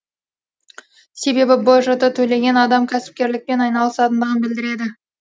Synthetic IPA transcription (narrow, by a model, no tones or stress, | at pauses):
se̞be̞bɪboʒət̪ət̪ʰɵle̞ɡʲe̞nɑd̪ɑmkʲʰæsɪ̥p̚kʲe̞ɾlɪk̚pe̞nɑjnɑlˠəsɑt̪ənd̪əʁənbɪld̪ɪɾe̞d̪ɪ